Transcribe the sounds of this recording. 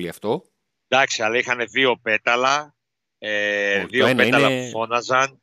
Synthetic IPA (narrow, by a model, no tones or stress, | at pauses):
liɐft̪o | d̪ɐksiɐlɐixɐne̞ðio̞pe̞t̪ɐlɐ | eðiopeɐlɐufo̞nɐzɐn